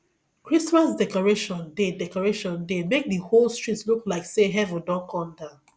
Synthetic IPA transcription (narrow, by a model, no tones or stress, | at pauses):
kɹismasdɛkɔɹeʃɔ̃ndedɛkɔɹeʃɔ̃ndemek̚diholˠstɹ̥itsluklaɪkseɦɛvə̃ndɔ̃nkʰɔ̃nda